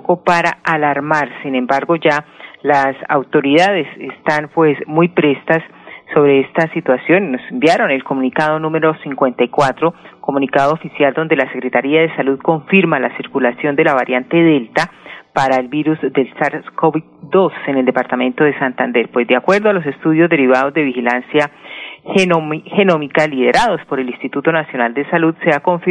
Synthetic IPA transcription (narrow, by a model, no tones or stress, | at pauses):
kopaɾaalaɾmaɾsine̞mbaɾɡo̞d͡ʒalasa̰wt̪o̞ɾiðaðe̞sest̪anpwe̞smujpɾe̞st̪asː | o̞βɾe̞est̪asit̪wasjo̞nːo̞sembjaɾo̞ne̞lko̞mũnikað̞o̞nũmeɾo̞siŋkwe̞nt̪ajkwat̪ɾo̞ko̞mũnikaðoofisjald̪o̞nd̪e̞lase̞kɾe̞t̪aɾiaðe̞saluðko̞ɱfiɾmalasiɾkulasjo̞nd̪e̞laβaɾjant̪e̞ðe̞lt̪apaɾae̞lbiɾuzd̪e̞lsaɾskoβi | d̪o̞se̞ne̞ld̪epaɾt̪amẽ̞nt̪o̞ð̞e̞sant̪and̪e̞ɾpwe̞zd̪eakwe̞ɾd̪oalo̞s̬e̞st̪uðjo̞zd̪e̞ɾiβ̞að̞o̞zd̪e̞βixilansja | he̞no̞mikalið̞e̞ɾʔað̞o̞spo̞ɾe̞linst̪it̪ut̪o̞nasjo̞nald̪e̞saluðse̞ako̞ɱf